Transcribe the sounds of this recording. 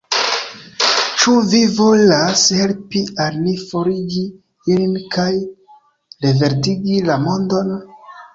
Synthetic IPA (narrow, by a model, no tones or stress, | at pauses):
t͡ʃuvivo̞lashe̞lpialnifo̞ɾiɡi | ilinkaj | ɾeve̞ɾtiɡilamo̞ndo̞n